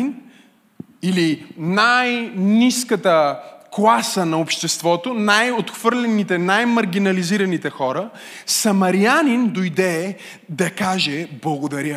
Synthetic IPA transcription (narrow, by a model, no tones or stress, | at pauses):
n | ilinajniskət̪əklˠasənɐopʃt̪ɛst̪vɔt̪onajot̪xv̥ɤɾlʲɛnit̪ɛnajmɐɾɡ̟ʲinɐliziɾɐnit̪ɛxɔɾə | sɐmɐɾianind̪ojd̪ɛ | d̪ɐkaʒɛblˠɐɡod̪ɐɾʲjə